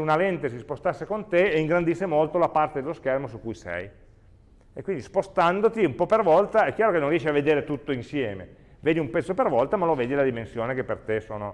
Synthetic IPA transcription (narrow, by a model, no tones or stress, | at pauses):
unalɛnt̪esispost̪asːekont̪eːiŋɡɾand̪isːemolt̪olapart̪ed̪eloskɛrmosukːujsɛ̰j | ekːwind̪ispost̪and̪ot̪iumpɔpervɔlt̪aɛkːjaːɾokenːõnrijɛʃiavːed̪eːɾet̪ut̪ːoinsjɛːmḛ | veːd̪iumpɛt̪sːopervɔlt̪amaloveːd̪ilad̪imensjoːnekepːert̪esoːno